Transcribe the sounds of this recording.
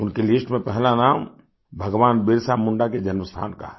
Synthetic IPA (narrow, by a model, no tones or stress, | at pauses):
ʊnkelɪsʈmẽpɛɦlanaːm | bʱɐɡʋaːnbɪɾsamʊ̃ɳɖaked͡ʒɐnməst̪ʰa̰ːnka̰ɦ